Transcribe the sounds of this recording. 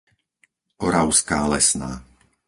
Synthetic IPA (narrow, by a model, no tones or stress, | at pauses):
ɔɾaʊskaːlɛsnaː